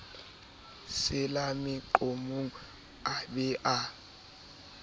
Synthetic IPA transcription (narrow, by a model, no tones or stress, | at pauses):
sɪlamɪǃomuŋ̩ | abɪʔa